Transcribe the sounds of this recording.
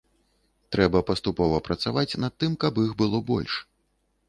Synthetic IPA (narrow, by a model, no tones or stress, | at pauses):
t̪ɾɛbɐpɐst̪upɔvɐpɾɐt̪savat͡sʲnɐt̪ːɨmkɐbixbɨlˠɔbɔ̰lʲʂ